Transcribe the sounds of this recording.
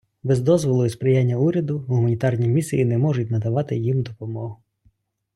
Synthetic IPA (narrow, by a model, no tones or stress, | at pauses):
bɛzd̪ɔzʋɔlˠʊjʊspɾɪjanʲːɐuɾʲɐd̪ʊɦʊmɐnʲit̪ɑrnʲimʲisʲijinɛmɔʒʊt̚ʲnɐd̪ɐʋɑt̪ɪjimd̪ɔpɔmɔɦʊ